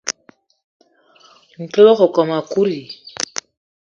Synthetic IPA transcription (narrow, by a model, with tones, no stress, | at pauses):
ŋ̩˨klɔ˦kɔ˨kɔ˨ma˨ku˦ɾi˨